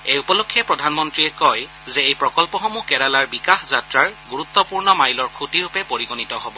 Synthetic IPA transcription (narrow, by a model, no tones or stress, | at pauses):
ejupɔlokʰːjɛpɹɔdʱanmɔntɹiɛkɔj | zɛejpɹɔkɔlpɔxɔmukɛɾalaɹbikaxzatɹaɹɡuɹut̪ːɔpuɹnɔmajlɔɹkʰutiɹupɛpoɹiɡonitɔɦɔbɔ